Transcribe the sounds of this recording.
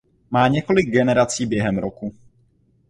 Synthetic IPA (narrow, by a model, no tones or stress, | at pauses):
maːɲɛko̞lɪɡ̚ɡɛnɛɾat͡siːbjɛɦɛmɾoku